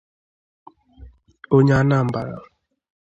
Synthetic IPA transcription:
o˦ɲa˦na˦˨m̩˨ba˨ɾa̰˨

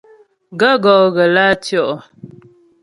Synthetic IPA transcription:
ɡa˦ɡɔ˨ɣə˨la˦tjɔ˦ʔɔ˨

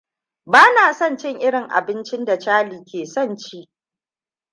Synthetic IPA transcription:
baː˦naː˨sɐ˦˨nt͡ʃɪ˦ŋʔɪ˦ɽɪ˨ŋʔa̰˨bɪ˦nt͡ʃɪ˦nda˨t͡ʃaː˦liː˨kʲeː˨sɐ˦˨nt͡ʃiː˦ʔ

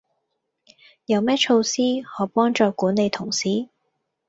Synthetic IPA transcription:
jɐ˨˧wmɛː˥t͡ʃʰo˧wsiː˥hɔː˨˧pɔː˥ŋt͡ʃɔː˧kuː˨˥nːe˨˧jt̪ʰʊ˨˩ŋsiː˨˥

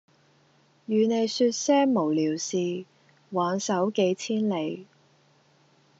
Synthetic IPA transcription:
jyː˨˧ne˨˧jsyː˧t̚sɛː˥ŋmo˨˩wliː˨˩wsiː˨ | waː˨˥nsɐ˨˥wke˨˧˥jt͡sʰiː˥nle˨˧j

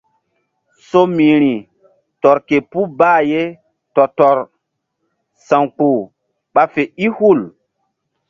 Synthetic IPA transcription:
so˦mĩ˨ɾi˨ | tɔ˨ɾke˨pu˦baː˦˨je˦ | tɔ˨tɔ˨ɾ | sã˨ŋk͡pu˨ | ɓa˦fe˨i˦hu˦˨l

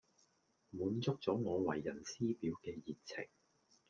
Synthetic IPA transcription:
muː˨˧nt͡sʊ˥k̚t͡sɔː˨˥ŋɔː˨˧wɐ˨˩jːɐ˨˩nsiː˥piː˨˧wkɛː˧jiː˨˩tt͡sʰɪ̰˨˩ŋ

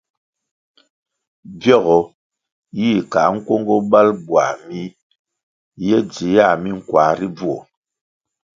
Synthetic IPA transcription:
bjɔ˦˨ɣɔ˨ | ji˦˨ka˨ŋ̩˦kwo˦ŋɡɔ˦ba˦lbwa̰˨mi˦ | jɛ˦d͡zi˨˦a˦˨mi˦ŋ̩˨kwa˨ɾi˦b͡vu˦ɔ˨

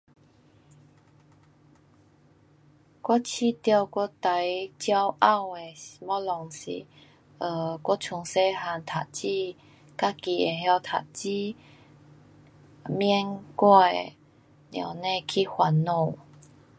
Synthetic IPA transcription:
kwɔ˦t͡ɕʰi˥˧˨t̪ja˥˧kʷɔ˦t̪a˨˦jt͡ɕja˦wʔa˥˧˨we˨˩˨mɔ˦˥lɔ˨ŋsḭ˨ | ə˧kwɔ˦t͡ɕʰu˧˩ŋse˦ɦa˧˦nt̪ʰa˨t͡ɕi˧ | ka˦˥ki˧e˨ɦja˧wt̪ʰa̰˨˩t͡ɕi˦ | mɛ˧˥˦nkwɔ˧˩ḛ˨ | nja̰˨˩nẽ˥˧kʰi˦hwa˧nːo˧˩˨

